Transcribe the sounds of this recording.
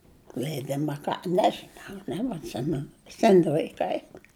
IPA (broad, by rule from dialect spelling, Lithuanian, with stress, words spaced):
lʲɛɪˈdʲɪmɐ ɐ ˈkɐ ˈnʲæːʒʲɪnɐʊ nʲɛbɐtʲˈsʲɪmʲɛnʊ ˈsʲæːnʲɪ lˠɐɪˈkɐɪ